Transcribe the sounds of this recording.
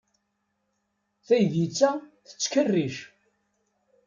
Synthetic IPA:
θæjðjit͡sːæθə̥t͡sːkərːiʃ

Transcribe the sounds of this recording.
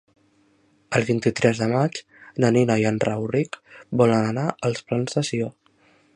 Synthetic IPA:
əlˠβint̪it̪ɾɛzðəmad͡ʒ | nəninəjanrawrikbɔlənənaʔəlˠsplanzðəsio

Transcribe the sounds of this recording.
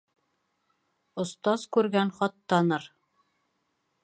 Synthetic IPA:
ŏst̪ɑz̥kʉɾɡænχɒt̪ːɑnɤɾ

